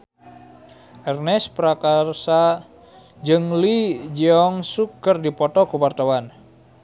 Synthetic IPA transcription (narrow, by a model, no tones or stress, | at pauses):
ʔɛrnɛspəɾakarsa | d͡ʒɨŋlid͡ʒiɔŋsukərdipɔt̪ɔkuwart̪awan